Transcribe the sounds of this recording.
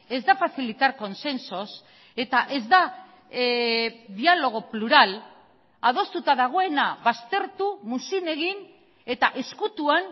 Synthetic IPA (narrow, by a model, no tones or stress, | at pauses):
e̞zd̪afaθilit̪aɾko̞nse̞nso̞s | e̞t̪aʔe̞zd̪a | ðialo̞ɣ̞o̞pluɾal | að̞o̞st̪ut̪aðaɣ̞o̞e̞naβast̪e̞ɾt̪umusine̞ɣin | e̞t̪aʔe̞skut̪uan